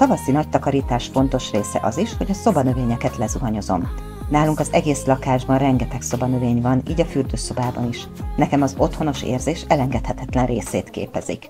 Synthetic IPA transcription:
t̪ɒvɒsinɒc̚t̪ɒkɒɾiːt̪aːʃfo̞nt̪o̞ʃreːsɛ̰ʔɒziʃho̞ɟɒso̞bɒnøveːɲɛkɛt̪lɛzuɦɒɲo̞zo̞̰m | naːluŋkɒzɛɡeːslɒkaːʒbɒnrɛŋɡɛt̪ɛkso̞bɒnøveːɲvɒniːɟɒfyrd̪øːso̞baːbɒniʃ | nɛkɛmɒzo̞t̪ho̞no̞ʃḛːrzeːʃɛlɛŋɡɛt̪hɛt̪ɛt̪lɛnreːseːt̪kḛːpɛzḭk

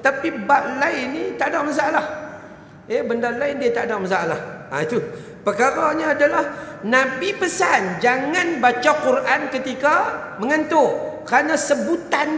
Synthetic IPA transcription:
t̪apibaʔlajinit̪aʔdaʔmas̬aalah | ebəndalajndiət̪aʔdaʔmas̬aalah | a̰it̪u | pərkaɾaɲaadalahnãbipəsand͡ʒaŋãnbat͡ʃakurʔankət̪ika | məŋənt̪okəɾanasəbut̪an

